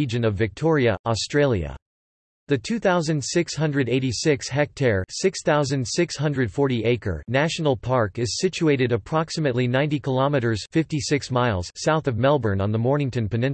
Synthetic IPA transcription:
id͡ʒɨ̃nʌvɨk̚tʰɔɹiɨʔɔstɹ̥eɪlˠjɨ̰ | ðɨtʰʉθaʊzɨ̃ndsɪkshʌ̃ndɹɨɾeɪɾisɪkshɛk̚tʰɛɹsɪksθaʊzɨ̃ndsɪkshʌ̃ndɹɨd̥fɔɹɾiʔeɪkə̰˞næʃn̩l̩ˠpʰɑɹkɨz̥sɪt͡ʃʉeɪɾɨɾɨpʰɹ̥ɑksɨmɨtˡlinãɪ̃ntikʰəlɑmɨɾə˞z̥fɪftisɪksmaɪlˠz̥saʊθʌvmɛlˠbə˞nə̃nðəmɔɹnɪ̃ŋtɨ̃npɨnɪ̃n

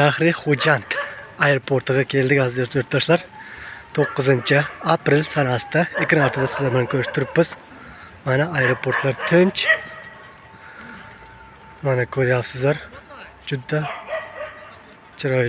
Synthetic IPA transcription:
aχɾɪχod͡ʒɑnt̪ɑjɾopʰoɾt̪ɨʁɑkʲʰeld̪ɪkʲhɑːzɨjoɾt̪̚d̪ɑʃlˠɑɾt̪ʰoqːɨzɨnt͡ʃʰɪapɾɪlsɑnɑst̪ɑekʲɪɾɑɾt̪ʰd̪asɪzlˠaɾmɛnkʲʰøɾɪʃt̪ʰʊɾɪpːɪz̥ | manɛɑjɾopʰoɾt̪ʰlˠɑɾt̪ʰønt͡ʃ | manɛkʲʰøɾjawsɨzlˠɑɾ | d͡ʒyd̪ːa | t͡ʃʰɨɾɑ

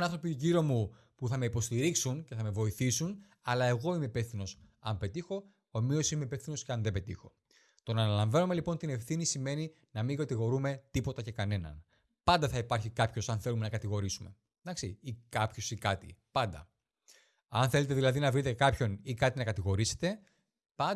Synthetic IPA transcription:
nɐnθɾo̞piuʝiɾo̞mu | puθɐme̞ipo̞st̪iɾiksunce̞θɐme̞vo̞iθisun | ɐlɐe̞ɣo̞imeipefθino̞sɐmpe̞t̪ixo̞ | omio̞simeipe̞fθino̞sceɐnðebe̞t̪ḭxo̞ | t̪o̞nɐnɐlɐɱvɐnome̞lipo̞nt̪ine̞fθinisime̞ni | nɐmiŋɡɐt̪iɣo̞ɾume̞t̪ipo̞t̪ɐce̞kɐne̞nɐ̰n | pɐnd̪ɐθɐipɐɾçikɐpço̞sɐnθe̞lume̞nɐkɐt̪iɣo̞ɾisume̞̰ | d̪ɐksiikɐpço̞sikɐt̪ḭpɐnd̪ɐ̰ | ɐ̰nθe̞let̪e̞ðilɐðinɐvɾit̪ekɐpço̞nikɐt̪inɐkɐt̪iɣo̞ɾise̞̥t̪e̞ | pɐ

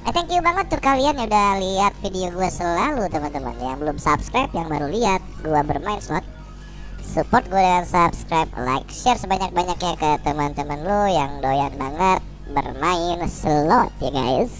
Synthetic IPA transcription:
ʔat̪ɛŋkjubaŋət̪ːʊkalianudahliat̪̚fidioɡuasəlalut̪əmant̪əmə̰nja̰ŋbəlʊmsapskɾajpjaŋbaɾuliat̪̚ɡuabərmaɪnsəlɔt̪̚ | supɔrt̪̚ɡuadəŋansapskɾajp̚la̰jkʃɛrsəbaɲak̚baɲak̚ɲakət̪əmant̪əmənlojaŋdojanbaŋət̪̚ | bə̰rmaɪnsəlɔt̪̚jaɡa̰js

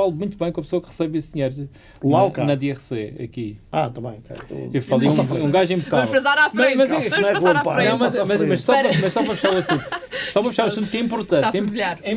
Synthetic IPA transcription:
alˠumũj̃t̪uβɐ̃j̃kõɐpsoɐkʁɨ̥sɛβesðiɲejɾ | lˠawkanɐd̪ɛʁseɐ̰kia̰t̪ãmɐ̰̃j̃kɐ̰o̰ewfalˠĩsɔũɡaʒẽbukafɾɐzaɾafmɐ̃mɐzɛ̃ɐ̃panɐ̃w̃mɐmɐmɐʃsɔpɾɐmɐʃsɔpɾɐfʃaɾesũsɔpɾɐfɨʃaɾũsũnt̪kɛĩmpuɾt̪ɐ̃kɛ̃ĩpʎaɾɛ̃

